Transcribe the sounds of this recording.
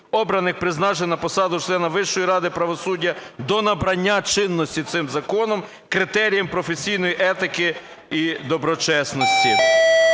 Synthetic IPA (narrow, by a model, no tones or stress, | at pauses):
ɔbɾɐnɪxpɾɪznɑʒɪnɐpɔsɑd̪ʊt͡ʃlˠɛnɐʋɪʃːɔjiɾɑd̪ɪpɾɐʋɔsudʲːɐd̪ɔnɐbɾɐnʲːat͡ʃɪnːɔsʲtʲit̪sɪmzɐkɔnɔm | kɾɪt̪ɛɾʲijɐmpɾɔfesʲijnɔjiʔɛt̪ɪkɪ | id̪ɔbɾɔt͡ʃɛsnɔsʲtʲi